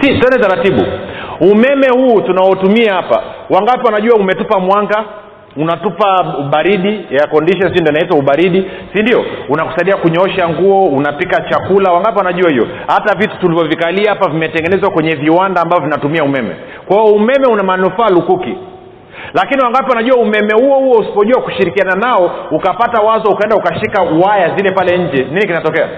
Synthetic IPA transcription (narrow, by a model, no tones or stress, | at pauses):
sitɛnɛtaɾatiɓṵumɛmɛhuːtunaɔtumiahapa̰waŋɡapɛwanaʄuwaumɛtupamwaŋɡa | unatupauɓaɾiɗijakɔndiʃɔnsd͡ʒɔndɔnaitwauɓaɾiɗisindiɔunaku̥saiɗiakuɲɔɔʃaŋɡuɔunapikat͡ʃakulawaŋɡapiwanaʄuahivɔ̰ | hatavitu̥tulivɔvikaliahapavimɛtɛŋɡɛnɛzwakwɛɲɛviwandaːmbavɔvinatumiaumɛmɛ̰ | kwaɔumɛmɛunamanufaːlukuki | lakiniwaŋɡapiwanaʄuwaumɛmɛhuɔhuɔusi̥pɔʄuakuʃiɾikiananaɔukapatawazɔukaɛndaukaʃikauwajazilɛpalɛɲ̩d͡ʒɛninikinatɔkɛa̰